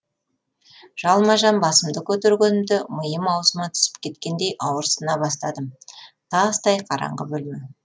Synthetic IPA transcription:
ʒ̥ɑlˠmɑʒɑnbɑsəmd̪əkʲʰɵt̪eɾɡʲenɪmd̪ɪməjəmɑwsəmɑt̪ʰʏ̥sɪ̥p̚kʲʰe̞t̪kʲe̞nd̪e̞jʔɑwəɾsənɑbɑst̪ɑd̪əmt̪ʰɑst̪ɑjqʰɑɾɑ̰ɴʁə̰bɵlme

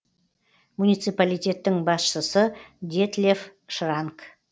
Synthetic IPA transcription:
munijt̪sɨjpalijt̪ʲe̞t̪ːɪŋbɑsʃəsəd̪ʲet̪lʲefʃraŋk

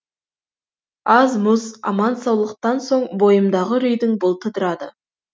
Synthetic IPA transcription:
ɑzmʊzɑ̰mɑnsɑwlˠəq̚t̪ɑnso̞ɴbo̞jəmd̪ɑʁəɾʏjd̪ɪŋbʊlˠt̪ʰəd̪əɾɑd̪ə

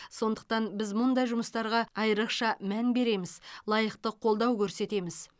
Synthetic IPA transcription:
so̞nd̪əq̚t̪ɑnbɪzmʊnd̪ɑjʒʊməst̪ɑɾʁɑɑjəɾəqʃɑmænbe̞ɾe̞mɪzlˠɑjəqt̪əqʰo̞lˠd̪ɑwkʲʰɵɾse̞t̪e̞mɪz̥

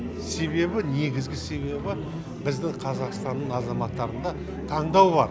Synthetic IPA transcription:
se̞βe̞bɪne̞ɡʲɪzɡʲɪse̞βe̞bɪ | bɪzd̪ɪqʰɑzɑqst̪ɑnːəɴɑzɑmɑt̪ːɑɾənd̪ɑ | t̪ʰɑɴd̪ɑwbɑɾ

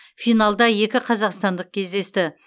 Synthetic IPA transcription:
fijnɑlˠd̪ɑje̞kʲɪqʰɑzɑqst̪ɑnd̪əq̚kʲʰe̞zd̪e̞st̪ɪ

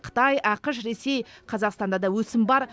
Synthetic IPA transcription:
qʰə̥t̪ɑjɑqəʃɾe̞se̞jqʰɑzɑqst̪ɑnd̪ɑd̪ɑwɵsɪmbɑɾ

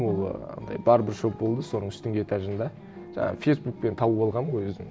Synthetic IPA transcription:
wolˠə̰nd̪ɑ̰jbɑɾəbɪɾʒop̚bo̞lˠd̪əso̞nəɴʏst̪ɪŋɡʲeet̪ʰɑʒənd̪ɑ | ʒ̥ɑ̰ɴɑ̰fʲejsbuk̚pe̞nt̪ʰɑbubɑlˠʁɑnojwɵzd̪ɪŋ

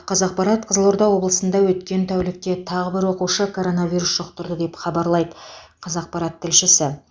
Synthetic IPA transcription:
qʰɑzɑq̚pɑɾɑt̪̚qʰəzəlˠoɾd̪ɑwo̞blˠəsənd̪ɑwɵt̪kʲe̞nt̪ʰæwlɪk̚t̪e̞t̪ʰɑʁəbɪɾwo̞quʃəkʰo̞ɾo̞nɑvʲijɾusʒ̥oqt̪əɾd̪əd̪epχɑbɑɾlˠɑjd̪əqʰɑzɑq̚pɑɾɑt̪ʰːɪlʃɪsɪ

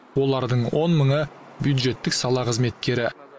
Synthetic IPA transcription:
wo̞lˠɑɾd̪əɴwo̞nməɴə | bjud̪ʒe̞t̪ːɪksɑlˠɑqʰəzme̞t̪̚kʲe̞ɾɪ

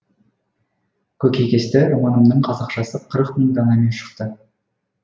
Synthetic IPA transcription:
kʲʰɵkʲʰekʲe̞st̪ɪɾomɑnəmnəɴqʰɑzɑqʃɑsəqʰəɾəqməŋd̪ʰɑnɑme̞nʃə̥qt̪ə

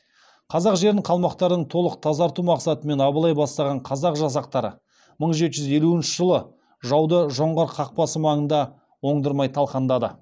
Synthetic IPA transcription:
qʰɑzɑqʒe̞ɾɪɴqʰɑlˠmɑqt̪ɑɾd̪əɴt̪ʰo̞lˠəq̚t̪ʰɑzɑɾt̪umɑqsɑt̪əme̞nɑbəlˠɑjbɑst̪ɑʁɑɴqʰɑzɑqʒɑs̬ɑq̚t̪ɑɾə̰ | məɴʒe̞t̪ʒʏze̞luɪnʃɪʒəlˠə | ʒɑwd̪əʒo̞ɴʁɑɾqʰɑq̚pɑsəmɑɴənd̪ɑ | wo̞ɴd̪əɾmɑjt̪ʰɑlˠqɑnd̪ɑd̪ə̰

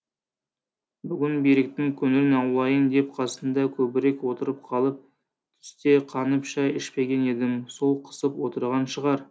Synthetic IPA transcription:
bʏɡʲɪnbiɾek̚t̪ɪŋkʲʰʏnɪɾɪnɑwlˠɑjənd̪e̞p̚qʰɑsənd̪ɑkʲʰɵbɪɾe̞kwo̞t̪əɾəp̚qʰɑlˠəp̚ | t̪ʰʏ̥st̪e̞qʰɑnəpʒɑjɪʃpe̞ɡʲe̞ne̞d̪ɪmso̞lˠqʰə̥səpwo̞t̪əɾʁɑnʃəʁɑɾ

